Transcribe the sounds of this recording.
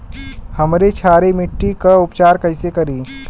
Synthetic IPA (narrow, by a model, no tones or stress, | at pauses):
hɐmɾet͡ʃʰaːɾemɪʈːikaʊpt͡ʃaːɾkɐɪsekɐɾiː